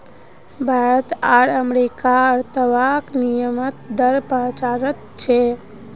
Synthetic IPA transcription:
bʱaɾət̪aɾəmɾikaəɾt̪əʋaknijəmət̪d̪əɾpəɦt͡ʃaɾət̪̚t͡ʃʰɛ

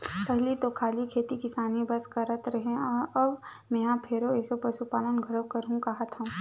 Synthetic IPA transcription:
pɛɦlit̪okʰaːlikʰeːt̪ikɪsaːnibɐskɐɾət̪ɾɐɦẽɔɾɐbmɛ̃ːɦãpʰeɾoɛːsopɾɐsupaːlənɡʱɐɽəkɐɾɦũkɐɦət̪ɦũ

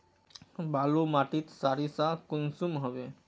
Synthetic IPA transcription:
balumaʈit̪saɾisakʊnsumɦəʋe

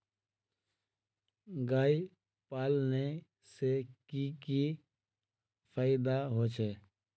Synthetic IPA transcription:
ɡaːi | paːlne | sekiki | pʰaːjɪd̪aɦot͡ʃʰɛː

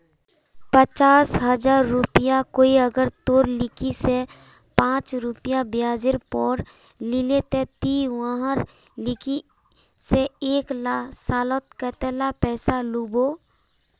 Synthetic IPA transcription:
pət͡ʃaːsɦəd͡ʒaːɾːʊpɪjakoːiəɡəɾt̪oːɾlɪkise | pãːt͡ʃɾʊpjabjaːd͡ʒɪɾpɔːɾ | lɪlet̪et̪iwãːɦəɾ | lɪki | seeːklasaːlot̪kɛːt̪ɛlapɛːsaluboː

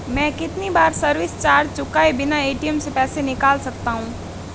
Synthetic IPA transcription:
mɛ̃ːkɪt̪nibaːɾsəɾwɪst͡ʃaːɾd͡ʒt͡ʃʊkaebɪnaeːʈijəmsepɛːsenɪkaːlsɐkt̪aːɦũː

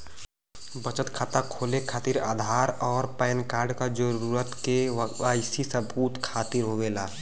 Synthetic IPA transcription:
bət͡ʃət̪kʰaːt̪akʰoːlekʰaːt̪iɾa̰ːd̪ʱaːɾɔːɾpɛjnkaːɾɖkad͡ʒəɾuɾət̪keaɪsisəbuːt̪kʰaːt̪iɾɦoʋelaː

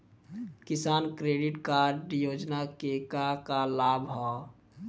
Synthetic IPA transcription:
kisaːnkɾeːɖiʈkaɾɖjod͡ʒnakekakalabʱɦɔ

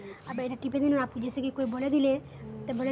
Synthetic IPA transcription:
abaeɾaʈiped̪inoapud͡ʑesekikoeboled̪ile | t̪abole

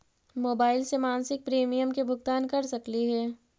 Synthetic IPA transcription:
moːbaːɪlsemaːnsɪk̚pɾeːmijəmkebʱʊɡt̪aːnkɐɾsɐkliɦɛː

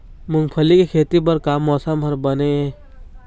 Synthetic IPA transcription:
mʊŋpʰəlikekʰeːt̪ibəɾkaːmːɔːsamʱəɾbəne

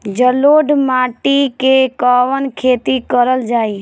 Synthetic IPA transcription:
d͡ʒəloːɖmaːʈikekaːʋənkʰeːt̪ikəɾəld͡ʒaːi

